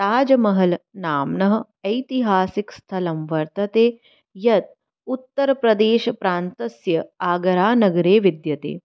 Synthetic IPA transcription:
t̪aːd͡ʒɐmɐɦɐlnaːmnɐɦɐ̆ | ɐjt̪iɦaːsikst̪ʰɐlɐmʋɐɾt̪ɐt̪eː | jɐt̪̚ | ut̪ːɐɾɐpɾɐd̪eːʃɐpɾaːnt̪ɐsjɐaːɡɐɾaːnɐɡɐɾeːʋid̪jɐt̪ḛː

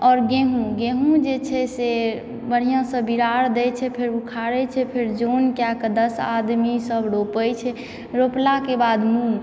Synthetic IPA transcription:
ɔːɾɡeɦũɡeɦũd͡ʒet͡ʃʰɛse | bəɽ̤ijãsəbiɾaɾd̪ɛjt͡ʃʰɛpʰeɾukʰaɾɛt͡ʃʰɛpʰeɾd͡ʒonkjakd̪əsa̰d̪misəbɽopəjt͡ʃʰɛ | ɾoplakebad̪mũ

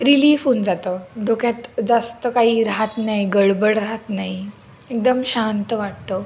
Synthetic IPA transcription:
ɾiliːfund͡zat̪əɖʱokjat̪d͡zast̪əkaɦiːɾaɦat̪naɦiɡəɽbəɽɾaɦat̪naɦi | ek̚d̪əmɕant̪əʋaʈ̚t̪o

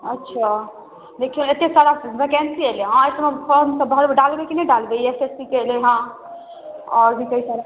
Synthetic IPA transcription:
ətːʃʰa | d̪ekʰilet̪eksaɾabekensieleɦãesəmepʰəɾmsə̃bɦəɾbeɖalbekinəɖalbejesespikeleɦã | ɔɾbʱikəɦisaɾa

